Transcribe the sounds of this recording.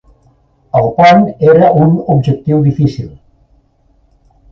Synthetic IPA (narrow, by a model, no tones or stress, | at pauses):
əlˠpɔneɾəʔunubʒək̚t̪iwðifisilˠ